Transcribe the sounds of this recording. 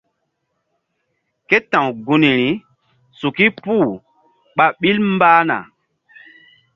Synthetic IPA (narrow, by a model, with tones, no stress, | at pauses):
ke˦tã˨wɡu˨ni˨ɾi˨˦ | su˨ki˦puː˦˨ | ɓa˨ɓi˦lm˦baː˦na̰˨